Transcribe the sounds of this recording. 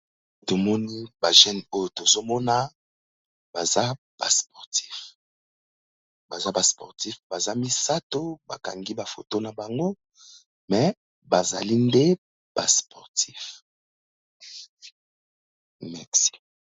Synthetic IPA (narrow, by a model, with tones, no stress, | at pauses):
to˨mɔ˦ni˦ba˨ʒɛ˦no˦jo˨to˨zo˦mɔ˦na˦ | b̥a˨za˦ | b̥a̰˨spɔ˨ʁtʰi̥˦f | ba˨za˦ba˨spɔ˨ʁti˦fba˨za˦mi˦sa˦to˦ba̰˨ka̰˨ŋɡi˦ba˨fo̰˨to˦na˨ba˨ŋɡo˦ | mɛ˨ | ba˨za̰˨li˦nde˦ | b̥a̰˨spɔ˨ʁtʰi˦f | mɛ˨ksi̥˦